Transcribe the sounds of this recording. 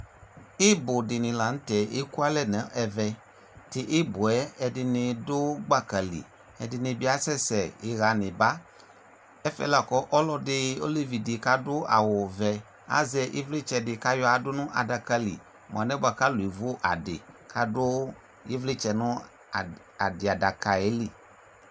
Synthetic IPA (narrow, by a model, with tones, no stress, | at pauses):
ɪ˦bʊ˨dɪ˨nɪ̃˨la˨ŋ̩̃˦tɛ˨e˦ku˦a˦lɛ˦˨nɛ̃˨˦ʔɛ˨vɛ˨ | tɪ˨ʔɪ˦bʊ˨ɛ˦ɛ˨dɪ˨nɪ˧dʊ˦ɡ͡ba˦˨ka˨lḭ˨ | ɛ̰˨dɪ˨nɪ̃˧bi˦a˦sɛ˦sɛ˨ɪ˨ɣa˨nɪ̃˨ba˦ | ɛ˦fɛ̰˦la˨kɔ˦ʔɔ˦lɔ˦dɪ˦o̰˦li˦vi˨dɪ˨ka˦dʊ˦a̰˨wʊ˨vɛ˨ | a̰˦zɛ˨ʔḛ˦vlɪ˦t͡ʃɛ˨dɪ˨ka˦jɔ˦a˨dʊ˦nũ˦ʔa̰˨da˨ka˦lḭ˨ | mõ̰˨ã˨nɛ̃˦bo˨a˨ka˦lu˨i˨vo˦ʔa˨dɪ̰˨kʰa˦dʊ˦ | jḛ˦vlɪ˦t͡ʃɛ˨nʊ̃˦˨ | a̰˨dɪ˨a˨da˨ka˨e˦li˨